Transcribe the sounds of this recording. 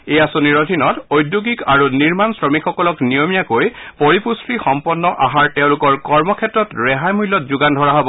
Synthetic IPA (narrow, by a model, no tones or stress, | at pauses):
ejasoniɹodʱinɔtojdjuɡikaɹuniɹmansɹɔmikʰxɔkɔlɔknijomijakojpɔɹipustɹixɔmpɔnːɔʔaɦaɹtɛʊ̃lʊkɔɹkɔɹmɔkʰɛtːɹɔtɹɛɦajmujlːɔt̚zuɡandʱɔɹaɦɔbɔ